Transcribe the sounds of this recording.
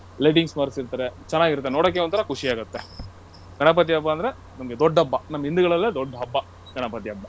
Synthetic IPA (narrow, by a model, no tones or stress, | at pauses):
lɐjʈiŋɡsmɐɾsiɾt̪ɐːɾet͡ʃɛnːaːɡiɾut̪ːenoːɽɐk̬ːeont̪ʰɐɾɐkʰuʂiaːɡut̪ːe | ɡɐɳɐp̬ɐt̪iɐbːɐːnd̪ɐɾe | nɐmɐɡed̪ɔɖːɐbːɐnɐmːɐind̪uɡɐɭɐlːed̪oɖːɐɦɐbːɐ | ɡɐɳɐpɐt̪iɐbːɐ